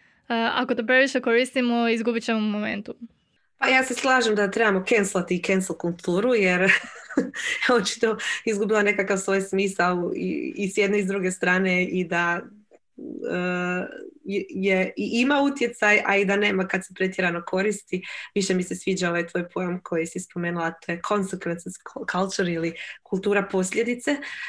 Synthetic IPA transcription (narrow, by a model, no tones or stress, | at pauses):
a̰kot̪opɾeʋiʃekoɾist̪imoizɡubit͡ɕemomomḛnt̪u | pajaːse̞slˠaːʒemd̪at̪ɾe̞bamo̞ke̞nslˠat̪iːkenslˠkulˠt̪ʰuːɾuje̞ɾ | ot͡ʃi̥t̪oizɡubilˠane̞kakaʋsʋo̞ːjsmiːsalḭisjed̪neizd̪ɾuɡe̞st̪ɾaːne̞id̪a | ə | jeiʔimaut̪je̞t̪sajaid̪ane̞ːmakad̪sepɾe̞t̪jeɾano̞kʰo̞ɾist̪iʋiʃe̞misesʋiːd͡ʒao̞ʋajt̪ʋo̞ːjpʰo̞jomkʰo̞jisispo̞me̞ːnulat̪o̞ːjekʰo̞nsekʋent̪nskʰalt͡ʃuɾilikulˠt̪uːɾapo̞sʎʲe̞d̪it̪se̞